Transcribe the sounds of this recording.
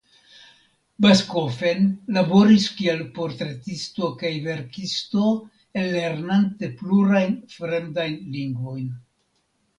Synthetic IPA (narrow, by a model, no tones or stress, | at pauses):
basko̞fe̞nlabo̞ɾiskielpo̞ɾtɾe̞tisto̞kajve̞ɾkisto̞ | elːe̞ɾnante̞pluɾajnfɾendajnliŋɡvo̞jn